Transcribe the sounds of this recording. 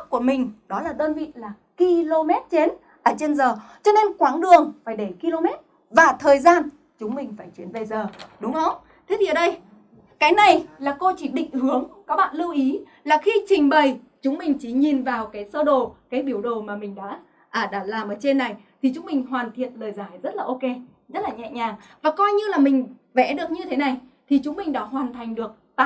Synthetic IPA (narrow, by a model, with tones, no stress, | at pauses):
k̚ku˧˩əmï˨˩ŋ̟ɗɔ˨˦laː˨˩ɗ̪əː˧nvḭ˧˨laː˨˩ | ki˧lo˧mɛ˦˥t̚t͡ɕe˨˦n | ʔəː˧˩t͡ɕe˧nzəː˨˩t͡ɕɔ˧ne˧nkwaː˨˦ŋɗɨ˨˩əŋfaː˧˩jɗe˧˩ki˧lo˧mɛ˦˥t̚ | vaː˨˩t̪ʰəː˨˩jzaː˧n | t͡ɕʊ˨˦ŋ͡mmï˨˩ŋ̟faː˧˩jt͡ɕi˨˦nvə˨˩jzəː˨˩ɗʊ˨˦ŋ͡mhə˧wŋ͡m | t̪ʰe˨˦t̪ʰi˨ʔəː˨˩ɗə˧j | kaː˨˦jna˨˩jlaː˨˩ko˧t͡ɕi˧˩ɗḭ̈˧˨ŋ̟hɨ˨˦əŋkaː˦˥k̚ɓa̰ː˧˨nlɨ˧wʔi˨˦ | laː˨˩xi˧t͡ɕï˨˩ŋ̟ɓə˨˩j | t͡ɕʊ˨˦ŋ͡mmï˨˩ŋ̟t͡ɕi˧˩ɲi˨˩nvaː˨˩wkaː˨˦jsə˧ɗo˨˩kaː˨˦jɓi˧˩əwɗo˨˩maː˨˩mï˨˩ŋ̟ɗa̰ː˧˥ | ʔəː˧˩ɗaː˧˩laː˨˩mʔəː˨˩t͡ɕe˧nːa˨˩jt̪ʰi˨˩t͡ɕʊ˨˦ŋ͡mmï˨˩ŋ̟ɦwaː˨˩nt̪ʰḭ˧˨ənləː˨˩jzaː˨˩jzə˦˥t̚laː˨˩ʔo˧ke˧ | zə˦˥t̚laː˨˩ɲɛ̰˧˨ɲaː˨˩ŋvaː˨˩kɔ˧jɲɨ˧laː˨˩mï˨˩ŋ̟ | vɛ̰˧˥ɗɨ˨˩ək̚ɲɨ˧t̪ʰe˨˦na˨˩j | t̪ʰi˨˩t͡ɕʊ˨˦ŋ͡mmï˨˩ŋ̟ɗaː˨˧˦ɦwaː˨˩nt̪ʰa˨˩jŋ̟ɗɨ˨˩ək̚t̪a˧